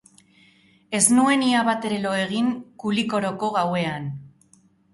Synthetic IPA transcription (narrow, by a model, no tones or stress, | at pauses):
e̞znue̞niaβat̪e̞ɾe̞lo̞e̞ɣ̞iŋkuliko̞ɾo̞ko̞ɣawe̞an